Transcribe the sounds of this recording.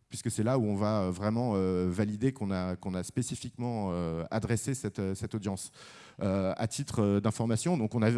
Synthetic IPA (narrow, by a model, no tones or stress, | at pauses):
pɥiskəsɛlauɔ̃vaøvʁɛmɑ̃øvalid̪ekɔ̃nakɔ̃naspesifikmɑ̃øa̰d̪ʁɛsesɛt̪øsɛt̪od̪jɑ̃s | øa̰t̪ʰit̪χød̪ɛ̃fɔʁmasjɔ̃d̪ɔ̃kɔ̃na